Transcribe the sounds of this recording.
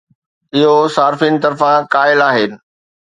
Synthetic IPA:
ɪɦosaːɾfiːnɪ̆t̪ɐɾfãkaːɪlaːɦɪnɪ̆

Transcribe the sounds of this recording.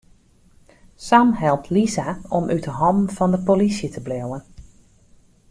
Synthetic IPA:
samɦɛlˠp̚tʰlizaɔmʔytəɦɑmv̥ɑndəpolisjətʰəblɪwən

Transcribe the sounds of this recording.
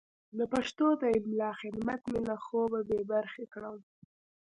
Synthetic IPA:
ləpaʂt̪od̪əɪlmlɑxɪd̪mat̪melaxobabebaɾxekɽəw

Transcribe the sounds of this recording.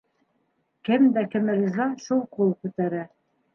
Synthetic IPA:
kɘmd̪ækɘ̆mɘ̆ɡɘ̆zlɑʃulˠqulˠkʉt̪æɾæ

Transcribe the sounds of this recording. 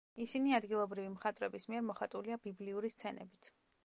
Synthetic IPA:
isiniad̪ɡilˠɔbɾivimχat̪ʼvɾɛbismiɛɾmɔχat̪ʼuliabibliuɾist̪sʰɛnɛ̰bit̪ʰ

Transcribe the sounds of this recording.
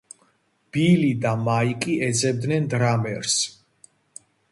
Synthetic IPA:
b̥ilid̪amaikʼiʔɛd̪zʼɛb̚d̪nɛnd̪ɾamɛɾs

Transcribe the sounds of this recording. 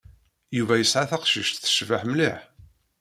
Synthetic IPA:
juvæjəsʕaθæqʃiʃt̪θə̥ʃvəħmliħ

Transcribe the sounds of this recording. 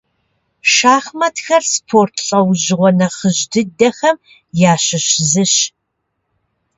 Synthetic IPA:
ʃaːχmɐtxɐrspʰoːrtʰɬʼɐwʑɪʁʷɔnɐχəʑdɨdɐxɐm | jaːɕɪɕzɨɕ

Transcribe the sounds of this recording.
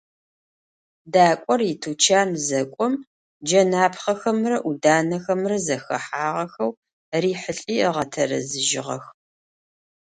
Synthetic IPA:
daːkʷʼɔritʰuːt͡ʃʰaːmzɐkʷʼɔm | d͡ʒɐnaːpχɐxɐmrɐʔudaːnɐxɐmrɐzɐxɐ̰ħaːʁɐxɐw | riːħəɬʼiːʁɐtʰɐɾɐ̰zɨʒɪʁɐ̰x

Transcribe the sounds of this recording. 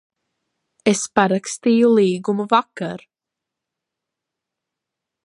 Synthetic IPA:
ɛspaɾakst̪iːjuliːɡumuvakaɾ

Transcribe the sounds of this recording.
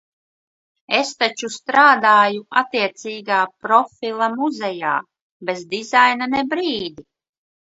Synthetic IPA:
est̪at͡ʃust̪ɾaːd̪aːjuat̪ːiɛt̪siːɡaːpɾɔfilˠamuzɛja̰ː | bezd̪izajnanɛbɾiːd̪i

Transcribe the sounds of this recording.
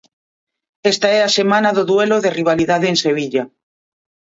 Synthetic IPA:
est̪aɛasemãnaðoðweloðeriβ̞aliðaðeːnseβ̞iʎa

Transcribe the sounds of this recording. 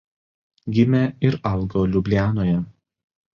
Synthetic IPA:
ɡʲɪmʲɛɪɾɐlˠˑɡoːlʲʊbʲlʲæːnoːjɛ

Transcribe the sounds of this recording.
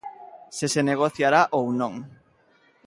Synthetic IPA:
seseneɣ̞oθjaɾaʔownõŋ

